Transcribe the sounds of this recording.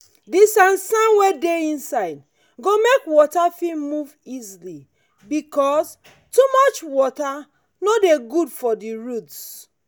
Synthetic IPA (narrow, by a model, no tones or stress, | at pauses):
disãnsãnwedeĩnsaɪd̚ | ɡomekwɔtafimuvizli | bikɔs | tumɔt͡ʃwɔta | nodeɡudfɔdiɹuts